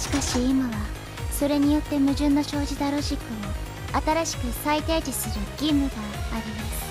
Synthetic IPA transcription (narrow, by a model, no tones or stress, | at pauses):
ɕi̥kaɕiːmaβa | so̞ɾe̞ɲ̟ijo̞t̪ːe̞mɯ̟ʑɨ̃nːo̞ɕo̞ːʑid̪aɾo̞ʑikːɯmo | at̪aɾaɕi̥kɯ̟sait̪eːd͡ʑisɨɾɯ̟ɡ̥ʲimːɯ̟ɡaːɾʲimasɨ̥